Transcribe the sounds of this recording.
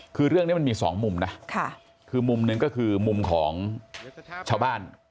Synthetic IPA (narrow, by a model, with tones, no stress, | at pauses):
kʰɯː˧ɾɯ˥˩əŋni˦˥ma˧miː˧sɔ̰ː˩˦ŋmu˧mna˦˥kʰa˥˩ | kʰɯː˧mu˧mnɯ˧ŋkɔː˥˩kʰɯː˧mu˧mkʰɔ̰ː˩˦ŋ | t͡ɕʰaː˧wbaː˥˩n